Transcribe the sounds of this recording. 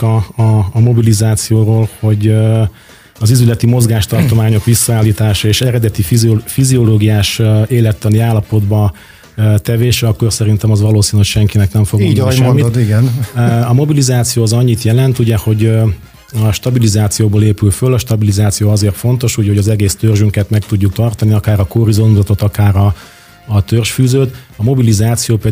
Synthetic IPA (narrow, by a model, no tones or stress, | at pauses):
ɒːmo̞bilizaːt̪sijoːroːlho̞ɟ | ɒzizylɛt̪imo̞zɡaːʃt̪ɒrt̪o̞maːɲo̞kʋisːɒaːlːiːt̪aːʃɒeːʃɛɾɛd̪ɛt̪iffizio̞loːɡijaːʃeːlɛt̪ːɛniaːlːɒpo̞d̪bɒ | t̪ɛveːʃɛɒkːo̞rsɛɾint̪ɛmɒzʋɒloːsiːnocʃɛŋkinɛknɛɱfo̞ɡ̪ʃɛmːid̪iɡɛnɒmo̞bilizaːt̪sijoːzɒɲːit̪jɛlɛnt̪uɟɛho̞ɟ | ɒʃt̪ɒbilizaːt̪sijoːboːleːpylfølːɒʃt̪ɒbilizaːt̪sijoːɒzeːrt̪fo̞n̪t̪o̞ʃuɟho̞ɟɒzɛɡeːst̪ørʒyŋkɛt̪mɛk̚t̪uɟːuk̚t̪ɒrt̪ɒniɒkaːɾɒkoɾizo̞nuzɒt̪o̞t̪ɒkaːɾɒ | t̪ørʃfyːzøːt̪ɒmo̞bilizaːt̪sijoːpɛ